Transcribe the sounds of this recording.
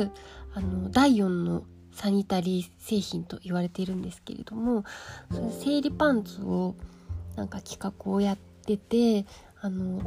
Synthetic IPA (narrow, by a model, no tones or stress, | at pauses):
ano̞d̪aijõ̞nːo̞̰ | saɲ̟it̪aɾʲiːse̞ːçĩnt̪o̞̰ʔiβaɾe̞t̪e̞ɾɯ̟̃nd̪e̞sɨ̥ke̞̰ɾe̞̰d̪̥o̞mo̞sonose̞ːɾʲipãnt͡sɨo | nãŋkakʲi̥kakɯ̟o̞jat̪ːe̞t̪e̞ | ano̞